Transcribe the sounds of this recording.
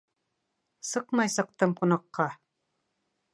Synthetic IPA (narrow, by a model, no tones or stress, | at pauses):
sɤqmɑjsɤ̆q̚t̪ɤmqunɑqːɑ